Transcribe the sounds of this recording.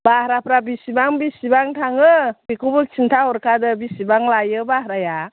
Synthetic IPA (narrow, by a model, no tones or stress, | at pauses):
bahɾapɾabisibaŋbisibaŋtʰaŋɯbikubɯk̚t͡ʃʰintʰaɦɔɾkʰadɯbisibaŋlajɯbahɾaja